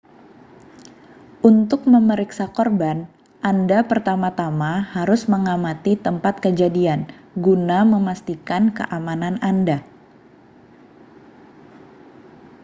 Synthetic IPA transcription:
ʔunt̪ʊk̚məməɾiksakɔrban | ʔandapərt̪amat̪amahaɾʊsməŋamat̪it̪əmpat̪̚kəd͡ʒadian | ɡunaməmast̪ikankə̰ʔamanananda

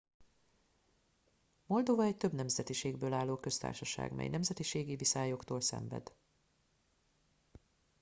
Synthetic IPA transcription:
mo̞ld̪o̞vɒɛc̚t̪øbnɛmzɛt̪iʃeːɡbøːlaːlːoːkø̞st̪a̰ːrʃɒʃa̰ːɡmɛ̰jnɛmzɛt̪iʃeːɡivisaːjokt̪oːlsɛ̰ɱvɛ̰d̪

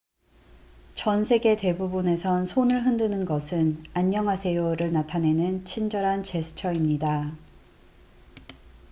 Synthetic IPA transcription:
t͡ɕʌnsʰe̞ɡe̞te̞bubune̞sʰʌnsʰonɯɭɦɯndɯnɯnɡʌsʰɯnaɲːʌŋɦasʰe̞joɾɯɭnatʰane̞nɯnt͡ɕʰind͡ʑʌɾɦant͡ɕe̞sʰɯ̥t͡ɕʰʌimɲida

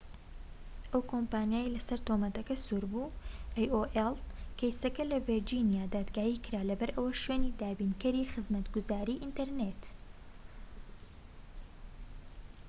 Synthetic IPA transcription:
ʔɐwkʰompaːnjaːjelɐsɐɾt̪oːmɐt̪ɐkɐsuɾbuːʔajoʔelˠkɛjsɐkɐlɐveɾd͡ʒinijaːd̪aːd̪ɡaːjikɨɾaːlɐbɐɾʔɐwɐʃɥeːniːd̪aːbiːnkɐɾiːxɨzmɐt̪ɡuzaːɾiːʔint̪ɐɾnet̪

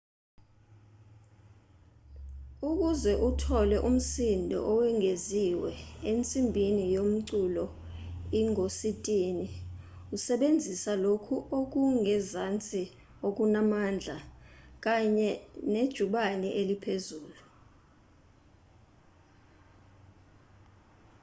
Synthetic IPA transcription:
uk̬uzɛʔutʰɔlɛʔum̩sindʱɔ̰ʔɔwɛŋʱeziwɛent͡sʼimbʱinijom̩ǀulɔ | iŋositʼiːni | usɛɓend͡zʱisalokʰuʔok̬uŋɛzant͡sʼi | ok̬unamand͡ɮʱak̬aɲɛned̥ʒ̥ʱuɓanɛʔelipʰezuːlu

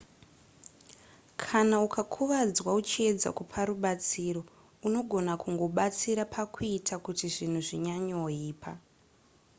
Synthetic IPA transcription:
kʰanaukʰakʰuʋad͡zwaut͡ʃie̞d͡za̰kupʰaɾuɓat͡siɾo̞ | uno̞ɡʱo̞nakʰuŋɡo̞ɓat͡siɾapʰakʰuuitʰakutiʐin̤uʐiɲaɲooiːpʰa

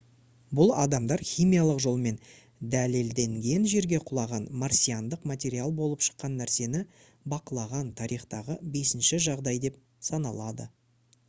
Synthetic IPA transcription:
bʊlˠɑ̰d̪ɑmd̪ɑɾχijmijalˠəqʒo̞lˠme̞n | d̪æle̞ld̪e̞ŋɡʲe̞nʒe̞ɾɡʲe̞qʰʊlˠɑʁɑnmarsʲijand̪əqmat̪ʲe̞ɾialˠbo̞lˠəpʃə̥qːɑnːæɾse̞nɪ | bɑqəlˠɑʁɑnt̪ʰɑɾijχt̪ɑʁəbe̞sɪnʃɪʒɑʁd̪ɑjd̪e̞p̚ | sɑnɑ̰lˠɑd̪ə̰

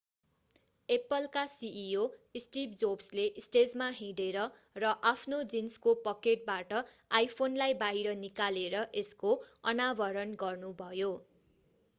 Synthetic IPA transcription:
epʌlkasiʔioisʈip̚d͡zobsleʔsʈed͡zmaɦĩɽeɾʌ | rʌʔapʰnod͡zinskopʌkeʈ̚baʈʌajpʰonlajbaɦiɾʌnikaleɾʌʔeskoʌnabʌɾʌnɡʌrnubʱʌjo

